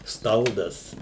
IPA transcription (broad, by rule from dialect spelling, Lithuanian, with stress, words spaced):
ˈstɐlˠdɐs